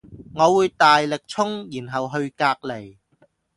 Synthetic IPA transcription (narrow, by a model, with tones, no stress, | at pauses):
ŋɔː˨˧wuː˨˧jt̪aː˨jlɪ˨k̚t͡sʰʊ˥ŋjiː˨˩nɦɐ˨wɦɵ˧ɥkaː˧k̚le˨˩j